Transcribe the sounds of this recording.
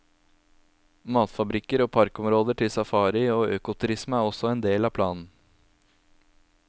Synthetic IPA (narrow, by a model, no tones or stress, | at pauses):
mɑːt̪fɑbɾɪkəɾoːpʰɑɾkɔmɾoːd̪əʈʰɪlsɑfɑːɾɪoːʔøːkʊt̪ʰʉɾɪsməæɾɔsɔɛːnd̪eːlɑːpʰlɑːnn̩